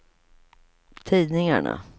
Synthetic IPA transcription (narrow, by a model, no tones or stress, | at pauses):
t̪ʰiːd̪nɪŋaɳa̰